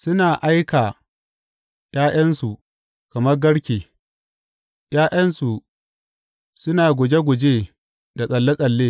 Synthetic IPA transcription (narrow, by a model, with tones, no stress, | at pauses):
sʊ˦naː˨ʔa˦jkaː˨ | j̰aː˦j̰ɐ˦nsu˨ | kɐ˨mɐ˦rɡɐ˦ɽkʲeː˨ | j̰aː˦j̰ʔɐ˦nsu˨ | sʊ˦naː˨ɡʷʊ˨d͡ʒe˦ɡʷʊ˨d͡ʒeː˦ | da˨sʼɐ˨lːɐ˦sʼɐ˨lːeː˦˨